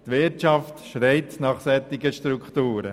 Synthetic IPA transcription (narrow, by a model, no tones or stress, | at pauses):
t̪ʋɪɾtt͡ʃɑftʃɾɛɪtnɑχsɛt̪ːɪɡəʃtɾukχtuːɾə̰